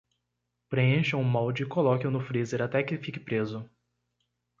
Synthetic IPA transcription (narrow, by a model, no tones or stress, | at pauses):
pɾeẽʃɐ̃ũmɔwd͡ʒɪkolɔkɪʊnʊfɾizeɾat̪ɛkɪfikɪ̥pɾezʊ